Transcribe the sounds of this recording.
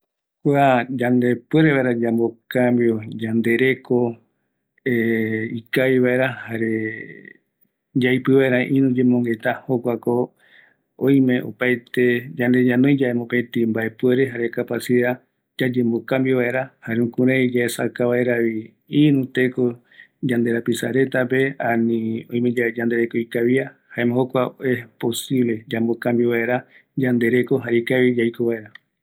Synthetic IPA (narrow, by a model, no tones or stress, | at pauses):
kʷad͡ʒand̪e̞pwe̞ɾeβaeɾad͡ʒambokambiod͡ʒand̪e̞ɾe̞ko | eikajβaeɾahaɾe | d͡ʒajpɨβaeɾãʔĩnũd͡ʒemõŋɡe̞t̪ahokʷako | õj̃mẽ̞ʔo̰pajt̪e̞d͡ʒãnd̪e̞ɲãnõj̃d͡ʒaemõpẽt̪ĩmbae̞pweɾeɦaɾe̞kapasia | d͡ʒad͡ʒe̞mbokãmbiβae̞ɾahaɾeũkũɾẽid͡ʒaesa̰kaβaeɾaβi | inũt̪e̞ko | d͡ʒand̪e̞ɾapisa̰ɾe̞t̪ap̬e̞ãnĩõj̃mẽ̞d͡ʒad͡ʒand̪e̞ɾe̞koijkaβiahaemẽhokʷaoepo̞siβle̞d͡ʒambokãmbiβaeɾa | d͡ʒand̪e̞ɾe̞ko̞ɦaɾikaβid͡ʒajkoβae̞ɾa